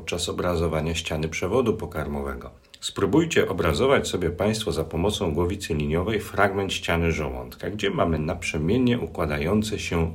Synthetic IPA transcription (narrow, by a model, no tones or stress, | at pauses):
t̪̚t͡ʂasɔbɾazɔvaɲaɕt͡ɕanɘpʂɛvɔd̪upɔkaɾmɔvɛɡɔ | spɾubujt͡ɕɛʔɔbɾazɔvat͡ɕsɔbʲjɛpaj̃st̪fɔzapɔmɔt̪sɔ̃w̃ɡwɔvʲit̪sɘlʲiɲɔvɛjfɾaɡmɛnt̪ɕt͡ɕanɘʐɔwɔ̰nt̪kaɡd͡ʑɛmamɘnapʂɛmʲjɛɲɛʔukwad̪ajɔnt̪sɛɕɛ